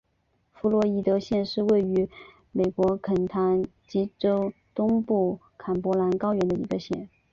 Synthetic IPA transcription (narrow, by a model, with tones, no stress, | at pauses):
fu˧˥lwɔ˧˥i˧˩t̪ɤ˧˥ɕjɛ˥˧nʂɻ̩˥˧we˥˩ɪy˧˥ | me˨˩ɪkwɔ˧˥kʰə˨˩nt̪ʰa˧˥n | t͡ɕi˧˥ʈ͡ʂo˥ʊt̪ʊ˥ŋpu˥˩ | kʰa˨˩npwɔ˧˥la˧˥nkɑ˥ʊɥɛ˧˥nd̪ə˧ḭ˧˥ɡə˧ɕjɛ̰˥˩n